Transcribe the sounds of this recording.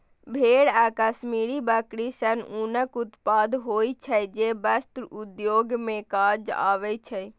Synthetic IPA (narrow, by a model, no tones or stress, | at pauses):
bʱeɽakəsmiɾibəkɾisənunəkut̪pad̪ɦojt͡ʃʰəjd͡ʒebəst̪ɾud̪joɡmẽkaɾd͡ʒa̰ːʋɛt͡ʃʰəj